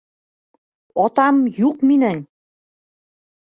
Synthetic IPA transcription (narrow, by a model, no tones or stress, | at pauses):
ɒt̪ɑmjuqminæŋ